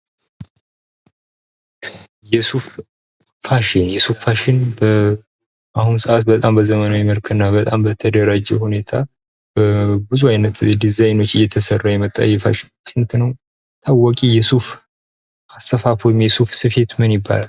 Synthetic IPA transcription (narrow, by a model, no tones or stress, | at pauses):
jɛsufː | aʃɪnjɛsuffaʃɪnbə | ʔahunsəʔat̪̚bət̪ʼambəzəmənawiməlkʰɨnːabət̪ʼambət̪ʰəd̪əɾad͡ʒɛ̰hune̞t̪ʰa | bəbɨzuajnət̪d̪izajno̞t͡ʃːɨjːɛt̪ʰəsərːajɛmət̪ʼːa̰jːɛfaʃɪ̥najnət̪ʰnəw | t̪ʰawːɔkʼijɛsuf | ʔast̪əfafojɪmjɛsufsɨfe̞t̪mɨnjɪbːa̰lal